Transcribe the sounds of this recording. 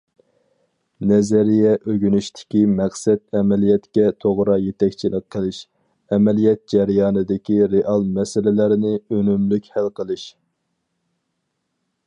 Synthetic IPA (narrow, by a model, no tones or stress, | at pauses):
nɛzæɾijɛʔøɡʲynyʃt̪ʰɪ̥kʲimæχsɛt̪̚ɛmɛlijɛt̪kʲɛt̪ʰoʁɾɑjet̪ɛkʲt͡ʃʰilɪkqʰːəlˠɨʃ | ɛmɛlijɛt̪̚d͡ʒɛɾjɑːnɨd̪ɪkʲiɾeʔɑlˠmɛsɪlɪlæɾɪnɪønymlykʲhælqʰəlˠɨʃ